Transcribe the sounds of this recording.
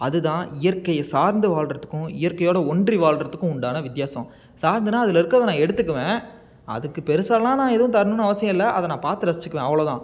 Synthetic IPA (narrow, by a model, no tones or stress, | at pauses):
ɐðɯt̪ãːɪjɐɾkːɐjsaːɾnd̪ɯʋaːɭrɐt̪ːɯ̥kːʊ̃ɪjɐɾkːɐjoːɽɐɔɳɖriʋaːlɾɐt̪ːɯkːʊ̃ʊɳɖaːnɐʋɪt̪jaːsɐ̰̃m | saːɾnd̪ɯnãːɐðɪlɐɪɾɯkːɐðɐnãːɛɽɯt̪ːɯkːɯʋẽː | ɐ̰ðɯkːɯpɛɾɯsaːlɐlːãːnãːɛðɯʋʊ̃t̪ɐɾnɯnɐʋɐsɪjɐ̃ɪlːɐʔɐðɐnãːpaːɾt̪ːɯɾɐsɪt͡ʃːɯkːɯʋẽːɐʋɐɭoːt̪ãː